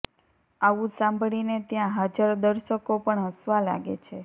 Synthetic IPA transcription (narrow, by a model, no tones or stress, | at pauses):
aʋũsãmbʱɽ̃inet̪jãɦad͡ʒəɾd̪əɾʃəkopəɳɦəsʋala̰ɡḛt͡ʃʰe